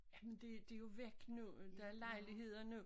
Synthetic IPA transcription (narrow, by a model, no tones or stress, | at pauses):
jæmend̥e̝d̥e̝jo̝ʋeɡ̥nud̥ɑæɐlɑ̈ɪliɦe̝ð̞̰ˠɐno